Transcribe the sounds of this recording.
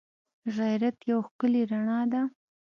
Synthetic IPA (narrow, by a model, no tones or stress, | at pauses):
ɣajɾat̪jawxkəleɾaɳɑd̪a